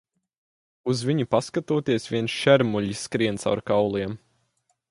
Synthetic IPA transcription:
uzviɲupaskat̪uːt̪iɛsvʲiɛnsʃɛɾmuʎisːkɾiɛnt̪sa̰wɾkawlˠiɛm

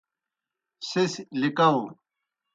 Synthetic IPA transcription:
sislikaũ

